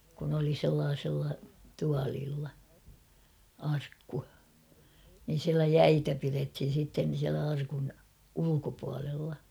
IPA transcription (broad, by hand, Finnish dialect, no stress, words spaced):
kun oli selːɑːsɪlːɑ tuɑliːlːɑ ɑrkːu nin̞ siælæ jæitæ pirethin̞ sitːen̞ siælæ ɑrkun ulukopuɑlelːɑ